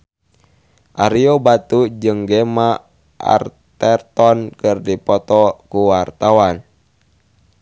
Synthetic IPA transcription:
ʔaɾiɔbat̪ud͡ʒɨŋɡɛma | ʔa̰rt̪ɛrt̪ɔnkɨrdipɔt̪ɔkuwart̪awan

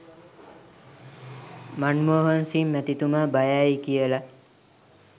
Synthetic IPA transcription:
manmoːɦonsimːæt̪it̪umaːbajaːjikijəla

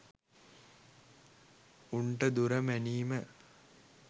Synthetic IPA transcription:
uɳʈəd̪uɾəmæniːmə

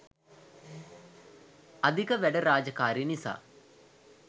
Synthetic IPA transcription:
ad̪ikəʋæɖəɾaːd͡ʒəkaːɾinisa̰ː

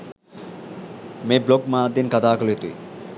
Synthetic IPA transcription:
mebloɡmãd̪inkɐt̪aːklet̪uḭ

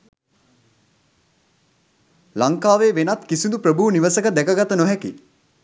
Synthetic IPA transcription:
laŋkaːʋeːʋenat̪kisind̪upɾəbuniʋəsəkəd̪ɛkəɡat̪ənoɦɛki

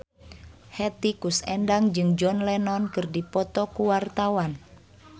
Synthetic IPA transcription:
hɛt̪ikusɛndaŋd͡ʒɨŋd͡ʒɔnlɛnɔnkɨrdipɔt̪ɔkuwart̪awan

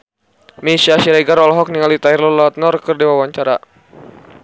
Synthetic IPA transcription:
misiasiɾɛɡaɾɔlɦɔk̚niŋalit̪airlɔlat̪̚nɔrkərdiwawaɲt͡ʃaɾa

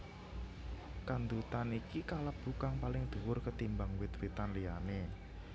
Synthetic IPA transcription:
kand̪ut̪anikikaləb̥ṳkaŋpalɪŋd̪̥ṳwʊrkət̪imbaŋwit̪wit̪anlijane

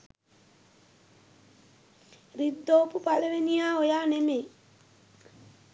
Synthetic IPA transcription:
ɾid̪ːoːpupaleʋenijaːojaːneme

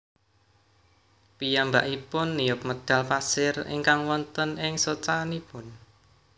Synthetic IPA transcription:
pijamba̰ʔipʊnːijʊp̚məd̪̥a̤lpasɪrɪ̰ŋkaŋwɔnt̪ənɪŋsot͡ʃaːnipʊn

